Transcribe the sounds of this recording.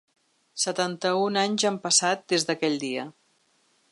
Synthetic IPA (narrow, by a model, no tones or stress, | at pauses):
sət̪ant̪əunaɲzampəsat̪̚d̪ezðəkɛʎd̪iə